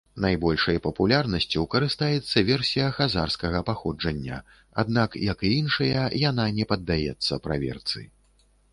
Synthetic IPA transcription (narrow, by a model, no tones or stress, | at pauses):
najbɔlʲʂɐjpɐpulʲarnɐsʲt͡sʲiwkɐɾɨst̪ajɛt̪sːɐvʲɛrsʲijɐxazarskɐɣɐpaxɔd͡ʐɐnʲːɐ̰ | a̰d̪̚nakjɐkjinʂɐjɐjananʲɛpɐd̪ːajɛ̰t̪sːɐpɾa̰vʲɛ̰rt̪sɨ̰